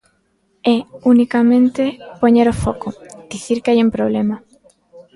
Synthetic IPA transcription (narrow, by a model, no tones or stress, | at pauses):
ɛunikamẽnt̪epoɲeɾofɔkod̪̥iθiɾkeajumpɾoβ̞lema